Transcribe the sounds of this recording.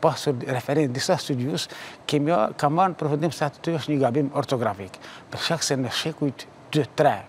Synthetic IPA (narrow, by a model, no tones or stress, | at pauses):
pasuɾɾɛfɛɾɛnd̪isast̪ud̪juskɛmiɔkamanpɾɔfund̪imsɛat̪ə̥t̪yəʃt̪ɲəɡabimɔɾt̪ɔɡɾafikpəɾʃkaksɛnəʃɛkujt̪ | d̪̥yt̪ɾɛ